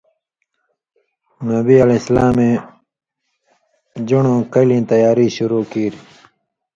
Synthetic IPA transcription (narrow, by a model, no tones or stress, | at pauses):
nɐbiɐleslaːmẽ | d͡ʑuɳõːkɐlĩːt̪ɐjaːɾiɕuɾuːkiːɾi